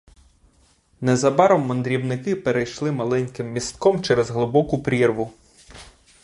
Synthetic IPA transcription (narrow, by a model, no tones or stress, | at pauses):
nɛzɐbɑɾɔmːɔnd̪ɾʲiwnɪkɪpeɾejʃlˠɪmɐlˠɛnʲkɪmːʲist̪kɔmt͡ʃɛɾɛzɦlˠɪbɔkʊpɾʲirʋʊ